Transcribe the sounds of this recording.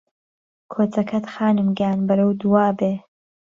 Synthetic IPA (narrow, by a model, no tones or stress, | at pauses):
kʰoːt͡sɐkʰɐt̪xaːnɨmɡaːnbɐɾɐwd̪uwaːbeː